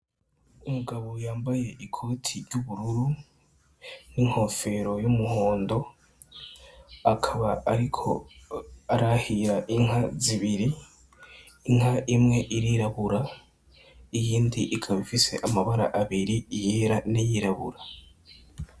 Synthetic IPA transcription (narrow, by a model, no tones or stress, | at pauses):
umuɡaβojaːmbaje̞ʔikʰo̞ːtʰiɾɟuβuɾuɾu | niŋ̥ho̞fe̞ɾo̞jumuho̞ːndo̞ | akʰaβaaɾikʰo̞̰ | aɾahiɾaʔiŋhaziβiɾi | ŋ̥haʔimŋe̞ʔiɾiɾaβuɾa | ijiːndiʔikʰaβifise̞̰ʔamaβaɾa̰ʔaβiɾijiɾanijiɾaβṵɾa